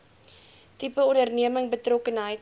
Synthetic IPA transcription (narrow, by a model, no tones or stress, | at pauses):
tipəɔndərniəməŋbətrɔkənɦəjt